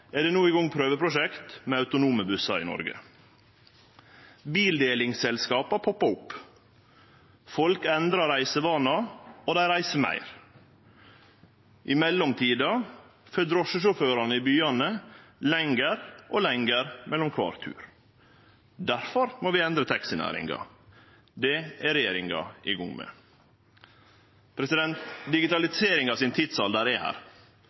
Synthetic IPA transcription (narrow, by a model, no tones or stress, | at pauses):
ɛd̪ɛːnuːɪɡɔŋpʰɾøːʋəpʰɾʊʃɛkt̪meːɑʉt̪ʊnuːməbʉsɑɪ̰nɔ̰ɾɡə̰ | biːld̪eːlɪŋsɛlskɑːpɑpʰɔpːɑʊpː | fɔlkɛnd̪ɾɑɾæɪsəʋɑːnɑoːd̪æɪɾæɪsəmæ̰ɪɾ | ʔɪmɛlːɔmt̪ʰiːd̪ɑfød̪ɾɔʂəʂʊføːɾɑnəɪbyːɑnəlɛŋɡəɾʔolɛŋɡəɾmɛlːɔmkʰʋɑ̰ːɾt̪ʰʉ̰ːɾ | d̪æɾfɔɾmoːʋɪɛnd̪ɾət̪ʰɛksɪnæ̰ːɾɪ̰ŋɡɑ̰ | d̪ɛæɾɛjeːɾɪŋɡɑ̰ɪɡʊŋmə̰ | pʰɾɛsɪd̪ɛnt̪d̪ɪɡɪt̪ɑlɪseːɾɪŋɑsɪnt̪ʰɪt̪sɑld̪əɾɛhæ̰ːɾ